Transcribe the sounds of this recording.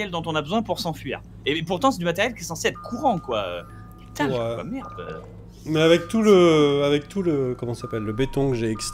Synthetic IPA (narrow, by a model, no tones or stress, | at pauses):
jɛld̪ɔ̃t̪ɔ̃nabəzwɛ̃puʁsɑ̃fɥḭːʁ | epuʁt̪ɑ̃sɛd̪ymat̪ɛʁjɛlkʲiɛsɑ̃seɛt̪χə̥kʰuʁɑ̃kwa̰ø̰ | ɛt̪aɛwa̰mɛʁd̪ø̰ | mɛavɛk̚t̪uləavɛk̚t̪ʰuləkɔmɑ̃ssapɛlːəbet̪ɔ̃kəʒeːkst